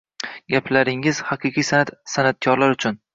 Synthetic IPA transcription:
ɡʲaplaɾɪŋɪz̥hɑqʰɨqʰijsanat̪sanat̪̚kʰɒɾlaɾʊt͡ʃʰʊn

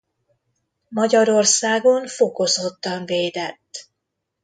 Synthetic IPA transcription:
mɒɟɒɾo̞rsaːɡo̞ɱfoko̞zot̪ːɒɱveːd̪ɛt̪ː

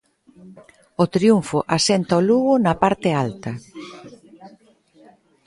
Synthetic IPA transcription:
ot̪ɾiuɱfʊʔasɛnt̪aoluɣʊnɐpaɾt̪ɪalt̪ɐ

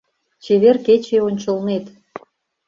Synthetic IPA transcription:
t͡ɕeβerket͡ɕeonʲt͡ɕəlnet̪

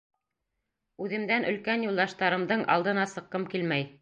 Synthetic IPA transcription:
ʉðɘ̆md̪ænʔɵ̆lkænjulˠd̪ɑʃt̪ɑɾɤ̆md̪ɤɴʔɑ̰lˠd̪ɤ̆nɑsɤ̆qːɤmkilmæj

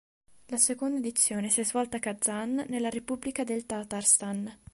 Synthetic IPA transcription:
lasekond̪aed̪it̪sːjoːnesiɛzvɔlt̪akad̪zːanːelːaɾepubːlikad̪elt̪at̪arst̪an

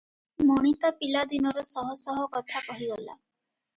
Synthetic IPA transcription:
mɔɽ̃it̪apilad̪inɔɾɔsɔɦɔsɔɦɔkɔt̪ʰakɔɦiɡɔla̰

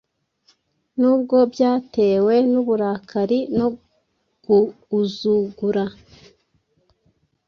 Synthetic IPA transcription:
nuːb̚ɡo̞bjaːte̞ːwe̞nuβuɾaːkʰaɾino̞ | ɡ̥uː | zuɡuɾa

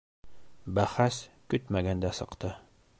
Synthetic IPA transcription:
bæχæs | kɵt̪mæɡænd̪æsɤ̆qt̪ɤ

